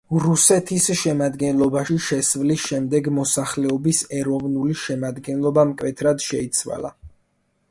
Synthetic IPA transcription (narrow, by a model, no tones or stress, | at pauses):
ɾusɛt̪ʰisʃɛmad̪ɡɛnlˠɔbaʃiʃɛsvlisʃɛmd̪ɛɡmɔsaχlɛɔbisɛɾɔvnuliʃɛmad̪ɡɛnlˠɔbamkʼwɛt̪ʰɾad̪ʃɛit̪sʰwa̰lˠa̰